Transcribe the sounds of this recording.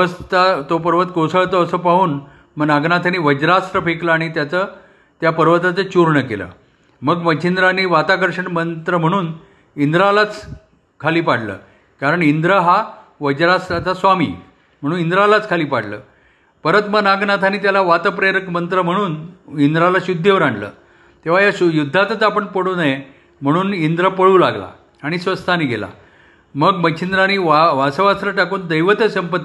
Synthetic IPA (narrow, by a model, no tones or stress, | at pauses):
əst̪at̪opəɾʋət̪̚kosəɭt̪əəsəːpaɦuːn | məɡnaɡnat̪ʰaniːʋəd͡ʑɾasʈ̪ɾəfekləaɽ̃it̪jat͡səː | t̪japəɾʋət̪at͡səːt͡ɕuɾɳəkḛlə̰ | məɡmət͡ɕʰind̪ɾaniːʋat̪akəɾʂəɳmənt̪ɾəm̤əɽ̃uːn | ind̪ɾalat͡s | kʰaliːpaɽ̤lə̰ː | kaɾəɳind̪ɾəɦaʋəd͡ʑɾasɾat͡sasʋamḭː | m̤əɽ̃uːnind̪ɾalat͡skʰaliːpaɽ̤lə̰ː | pəɾət̪mənaɡnat̪ʰaniːt̪jalaʋat̪əpɾeɾəkmənt̪ɾəm̤əɽ̃uːnind̪ɾalaɕud̪ʱːeʋəɾaɳɖlə̰ː | t̪eʋ̤ajaɕujud̪ʱːat̪ət͡sapəɳpəɽuːnaje | m̤əɽ̃uːnind̪ɾəpəɭuːlaɡla̰ | aɽ̃isʋəst̪ʰaniɡḛla̰ | məɡmət͡ɕʰind̪ɾaniːʋasəʋasɾəʈakuːnd̪əjʋət̪əsəmpət̪ːi